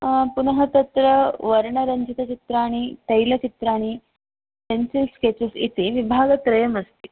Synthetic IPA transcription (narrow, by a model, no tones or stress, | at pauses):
punəɦət̪ət̪ɾəʋəɾɳəɾəɲd͡ʑit̪ət͡ɕit̪ɾaːɽ̃it̪əjlət͡ɕit̪ɾaːɽ̃i | ʈensilsket͡ɕusit̪eʋibʱaɡət̪ɾɐjəməst̪i